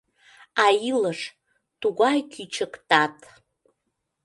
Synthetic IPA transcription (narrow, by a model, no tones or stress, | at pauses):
ajiləʂ | tuɡʷajkʲʰit͡ʃʰɨktatʼ